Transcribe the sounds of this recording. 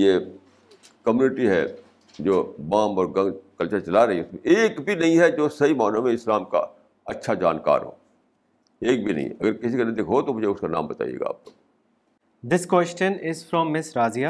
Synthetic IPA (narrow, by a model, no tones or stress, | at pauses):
jeː | kɐmjuːnɪʈiɦɛ̰ | d͡ʒoːbãːmɔːɾɡɐ̃ŋkɐlt͡ʃət͡ʃɐlaɾɐɦiɛʊsmẽʔeːkbʱinɐɦĩɦɛd͡ʒoːsɐɦimaːnamẽɪslaːmka̰ | ɐtːʃʰad͡ʒa̰ːnka̰ːɾɦo̰ː | eːk̚bʱinɐ̰ɦḭ̃ɐɡəɾkɪsikɐnɐd̪ikɦot̪omʊd͡ʒʱeʊskana̰ːmbɐt̪a̰ːḭḛːɡa̰ːp̚ko | d̪ɪskwesʈə̃nɪzfɾɔ̃mːɪsɾaːzija